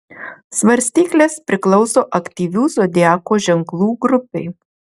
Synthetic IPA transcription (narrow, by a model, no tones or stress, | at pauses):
sʋɐɾʲsʲt̪ʲiːklʲeːspʲɾʲɪklˠɔʊsoːʔɐkt̪ʲiːʋʲuːsod̪ʲɪæːkoːʒʲɛŋklˠuːɡɾʊpʲɛɪ